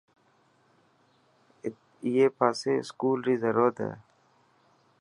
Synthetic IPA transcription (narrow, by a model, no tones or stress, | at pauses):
jepaːseskuːlɾizɐɾoːt̪ḛ